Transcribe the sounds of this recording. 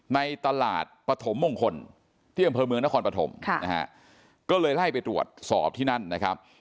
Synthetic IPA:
na˧jt̪a˧la̰ː˨˩t̪̚pɾa˧t̪ʰo˩˦mːoː˧ŋkʰo˧n | t̪ʰiː˥˩ʔa˧mpʰɤː˧mɯ˧əŋna˦˥kʰɔː˧npa˧t̪ʰo̰˩˦mʰ˧na˦˥ha̰˦˥ʔ | kɔː˥˩lɤː˧jla˥˩jpa˧jt̪ɾu˨˩ət̪̚sɔː˨˩p̚t̪ʰiː˥˩na˥˩nːa˦˥kʰa˦˥p̚

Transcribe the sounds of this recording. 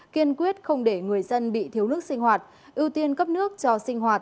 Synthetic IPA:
ki˧ənkwi˦˥ət̚xə˧wŋ͡mɗe˧˩ŋɨ˨˩əjzə˧nɓḭ˧˨t̪ʰi˨˦əwnɨ˦˥ək̚sï˧ŋ̟hwaː˨˩t̚ | ʔi˧wt̪i˧ənkə˦˥p̚nɨ˦˥ək̚t͡ɕɔ˧sï˧ŋ̟ɦwaː˨˩t̚

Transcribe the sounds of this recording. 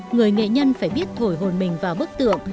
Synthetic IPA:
ŋɨ˨˩əjŋḛ˧˨ɲə˧nfaː˧˩jɓi˦˥ət̚t̪ʰo˧˩jɦo˨˩nmï˨˩ŋ̟vaː˨˩wɓɨ˦˥k̚t̪ɨ̰˧˨əŋʔ

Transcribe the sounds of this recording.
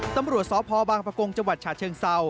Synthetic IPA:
t̪a˧mɾu˨˩ət̪̚sɔː˨˦pʰɔː˧baː˧ŋpɾa˧ko˧ŋt͡ɕa˧ŋwa˨˩t͡ɕʰaː˨˩t̪̚t͡ɕʰɤː˧ŋsa˧w

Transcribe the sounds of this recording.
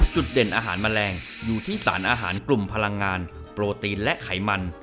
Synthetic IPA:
t͡ɕu˨˩t̪̚de˨˩nʔaː˧ɦaː˩˦nma˧nlɛː˧ŋjuː˨˩t̪ʰiː˥˩sa̰ː˩˦nʔaː˧ɦa̰ː˩˦nklu˨˩mpʰa˧la˧ŋːaː˧n | pɾoː˧t̪iː˧nlɛ˦˥ʔkʰa˩˦jma˧n

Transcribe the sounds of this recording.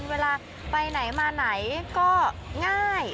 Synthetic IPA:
nweː˧laː˧ | pa˧jna˩˦jmaː˧na˩˦jkɔː˥˩ŋaː˥˩j

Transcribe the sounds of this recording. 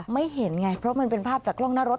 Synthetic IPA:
ma˥˩jɦe˩˦nŋa˧jpʰɾɔ˦˥ma˧npe˧npʰaː˥˩p̚t͡ɕaː˨˩kʰːlɔ˥˩ŋnaː˦˥ɾo˦˥t̪̚

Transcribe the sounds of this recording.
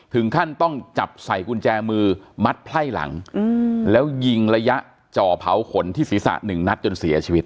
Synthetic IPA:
t̪ʰɯ˩˦ŋkʰa˥˩nt̪ɔ˥˩ŋt͡ɕa˨˩p̚sa˨˩jku˧nt͡ɕɛː˧mɯː˧ma˦˥t̪̚pʰla˥˩jla̰˩˦ŋ | lɛː˦˥wji˧ŋɾa˧ja˦˥ʔ | t͡ɕɔː˨˩pʰa˩˦wkʰo˩˦nt̪ʰiː˥˩siː˨˦sa̰˨˩ʔnɯ˨˩ŋna˦˥t̪̚t͡ɕo˧nsi˩˦ɐ˦t͡ɕʰiː˧wi˦˥t̪̚

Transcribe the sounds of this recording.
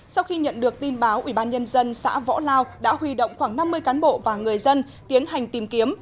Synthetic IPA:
sa˧wxi˧ɲə̰˧˨nɗɨ˨˩ək̚t̪i˧nɓaː˨˦wʔḭ˧˩ɓaː˧nɲə˧nzə˧nsa̰ː˧˥vɔ̰˧˥laː˧wɗa̰ː˧˥hwi˧˩ɗo̰˧˨wŋ͡mxwaː˧˩ŋna˧mːɨ˧əjkaː˨˦nɓo̰˧˨vaː˨˩ŋɨ˨˩əjzə˧n | t̪i˨˦ənha˨˩jŋ̟t̪i˨˩mki˨˦əm

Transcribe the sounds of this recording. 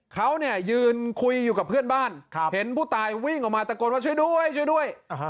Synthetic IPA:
kʰa˦˥wni˥˩ɐjɯː˧nkʰu˧jːuː˨˩ka˨˩pʰːɯ˥˩ənbaː˥˩nkʰhe˩˦npʰuː˥˩t̪aː˧jwi˥˩ŋʔɔ˨˩k̚maː˧t̪a˧ko˧nwaː˥˩t͡ɕʰu˥˩jdu˥˩əjt͡ɕʰu˥˩jdu˥˩əj

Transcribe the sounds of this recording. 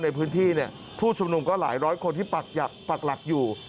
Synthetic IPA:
na˧jpʰɯː˦˥nt̪ʰiː˥˩ni˥˩ɐ | pʰuː˥˩t͡ɕʰu˧mnu˧mkɔː˥˩laː˩˦jɾɔː˦˥jkʰo˧nt̪ʰiː˥˩pa˨˩k̚ja˨˩pa˨˩k̚la˨˩k̚juː˨˩

